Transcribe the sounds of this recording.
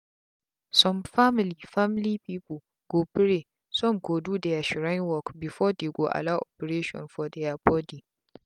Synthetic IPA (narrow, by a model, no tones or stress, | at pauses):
sɔmfamɪliːfamlipiːpu | ɡ̥obɾe | sɔmkoːduːdajaʃɪɾanwɔkbɪfɔːdeːɡʷoʔa̰laʔopɛɾeːʃɔ̰nfɔdɛjapɔdi